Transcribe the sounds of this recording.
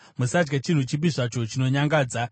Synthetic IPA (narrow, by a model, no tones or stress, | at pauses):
musad͡ʒɡet͡ʃin̤ut͡ʃip̬iʐat͡ʃo̞t͡ʃino̞ɲaŋɡaːd͡za